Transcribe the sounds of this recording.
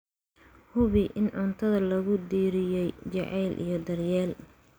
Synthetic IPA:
hʊβɪʔɪnʕʊnt̪ʰɐðɐlɐɣʊd̪iːɾɪjɛjt͡ʃɐ̰ʕɛjlʔḭjɞd̪ɐrjɛːl

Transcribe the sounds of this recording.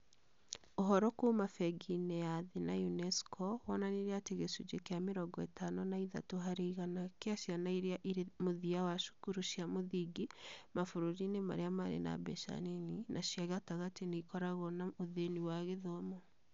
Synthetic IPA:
oɦɔɾɔkomafɛɡinɛjaðenajunɛskʰɔwɔnaneɾeateɣesud͡ʒekeameɾɔɡɔɛ̰tanɔnaiða̰toɦaɾeiɣanakeaʃjanaiɾeaʔiɾemoðiawaʃu̥kuɾuʃiamoðiɡemafoɾoɾinema̰ɾeamaɾḛna̰bɛ̰ʃa̰neninʔaʃjaɣataɣateneikɔɾaɣɔnaoðeniwaɣeðɔmɔ

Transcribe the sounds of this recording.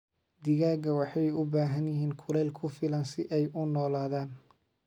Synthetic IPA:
d̪ɪɣaːɡɐwɑħɑjʊbaːɦɐnjɪɦiːnkʰʊlɛːlkʰʊfɪlɐnsɪʔɛjʊnɔːlaːðaːn

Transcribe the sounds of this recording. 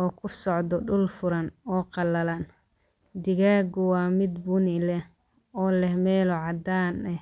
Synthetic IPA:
ɔːkʰʊsɔʕd̪ɔɖʊlfʊɾɐnɔːqɑlɐlan | d̪ɪɣaːɡʊwɑːmɪd̪bʊnɪlɛh | ɔːlɛhmɛːlɔʕɑd̪aːnɛ

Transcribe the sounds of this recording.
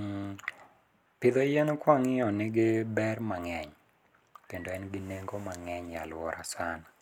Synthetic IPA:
pɪd̪ajenkwaŋɪɔnɪɡɪbɛrmaŋɛɲ | kendoɛnɡɪneŋɡomaŋɛɲja̰lwɔɾʔa̰sana

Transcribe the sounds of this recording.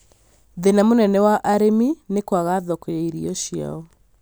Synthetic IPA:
ðenamonɛnɛwaʔaɾeminekwaɣaðɔkojaiɾiɔʃia̰ɔ

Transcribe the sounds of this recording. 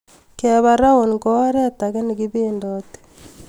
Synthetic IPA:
keβaɾaunkoɾetakenikiβiːndote̥

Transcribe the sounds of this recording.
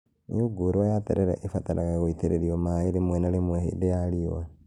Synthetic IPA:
nḭuɡoɾwajatḛɾeɾḛʔefataɾaɣaɣoiteɾeɾiomaeɾemwenalemwehḛdejaliowa

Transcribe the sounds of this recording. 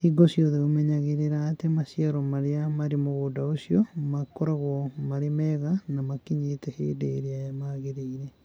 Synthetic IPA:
iɡɔsjɔðeomɛɲaɣeɾeɾaːtemasjaɾɔmaɾeamaɾemoɣodaosjɔmakoɾaɣɔmaɾemɛɣanamakiɲeːtɛhḛːdeːɾeajamaːɣeɾeiɾɛ

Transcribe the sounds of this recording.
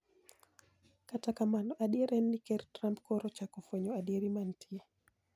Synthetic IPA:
katakamanɔʔaɗieɾʔɛnːikɛrtɾampkɔɾɔt͡ʃakofweɲɔadieɾimantʰie

